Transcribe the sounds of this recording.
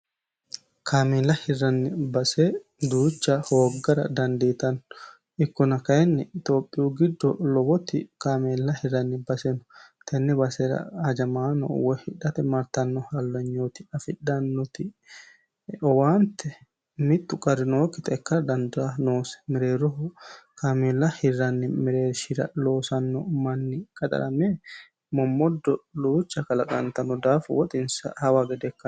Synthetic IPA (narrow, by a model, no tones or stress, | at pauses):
kʰaːmelːɐhɪrːɐnːɪbɐsed̪uːt͡ʃːɐhoːɡːɐɾɐ̰d̪ɐnd̪eːt̪ɐnːɔ | ɪkːɔnɐkɐjɛnːɛɪt̪o̞ːpʼːɪjuːɡɪd̪ːɔlɔbɔt̪ɪkaːmelːɐhɪɾɐnːɪbɐsɛnɔt̪ʰɛnːɛbɐsɛɾɐ̰hɐd͡ʒɐmaːnɔ̰wɔhɪᶑɐt̪ɛmɐɾt̪ɐnːɔhɐlːɐɲːoːt̪ɪɐfɪᶑɐnːɔt̪ɪ | ɔwaːnt̪ːɛ | mɪt̪ːʊkʼɐɾɪnoːkːɪt̪ʼɛkːɐɾd̪ɐnd̪anoːsɛ̥mɪɾeːɾɔɦkʰɐmɛlːɐhɪrːɐnːɪmɪɾeːɾʃɪɾɐ̰lo̞ːsɐnːɔmɐnːɪkʼɐt̪ʼɐ̰ɾɐmeː | mɔmːɔd̪ːɔluːt͡ʃːɐkɐlɐkʼɐ̰nt̪ɐnːɔd̪aːfwɔt̪ʼɪnsɐ̰hɐwaɡɛd̪ɛkːɐn